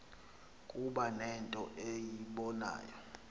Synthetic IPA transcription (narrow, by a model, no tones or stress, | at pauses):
kʼuɓanɛntʼɔʔejiɓɔna̰ːjɔ